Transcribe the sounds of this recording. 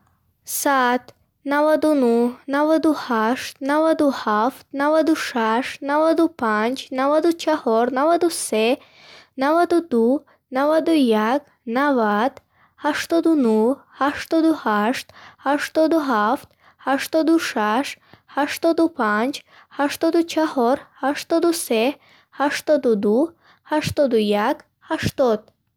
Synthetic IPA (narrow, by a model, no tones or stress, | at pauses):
sat̪ | navad̪unuhnavad̪uhaʃt̪navad̪uhaft̪̚navad̪uʃaʃnavad̪upʰand͡ʒnavad̪ut͡ʃʰahɔɾnavad̪use | navad̪ud̪u | navad̪ujak | navad̪̥ | haʃt̪ɔd̪unuhaʃt̪ɔd̪uhaʃt̪haʃt̪ɔd̪uɦaft̪̚ | haʃt̪ɔd̪uʃaʃhaʃt̪ɔd̪upʰand͡ʒ | haʃt̪ɔd̪ut͡ʃʰahɔɾhaʃt̪ɔd̪use | haʃt̪ɔd̪ud̪u | haʃt̪ɔd̪ujak | haʃt̪ɔd̪̥̚